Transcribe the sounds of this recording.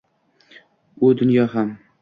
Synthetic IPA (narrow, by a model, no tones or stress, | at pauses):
ʊd̪ʊnjɒɦam